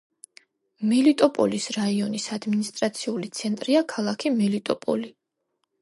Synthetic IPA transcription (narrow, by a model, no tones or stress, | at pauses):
mɛlit̪ʼɔpʼɔ̰lisɾaiɔnisad̪minist̪ʼɾat̪sʰiulit̪sʰɛnt̪ʼɾiakʰalˠakʰimɛlit̪ʼɔpʼɔ̰li